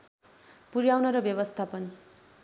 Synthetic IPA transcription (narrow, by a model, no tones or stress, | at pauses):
puɾjawnʌɾʌbjʌbʌst̪ʰapʌn